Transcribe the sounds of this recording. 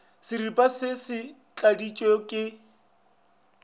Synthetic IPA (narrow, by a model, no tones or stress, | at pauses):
sɪripʼasɪsɪ | t͡ɬʼadit͡ʃʼekʼɪ